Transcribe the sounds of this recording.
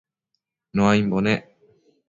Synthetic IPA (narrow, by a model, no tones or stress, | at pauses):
noaĩmbone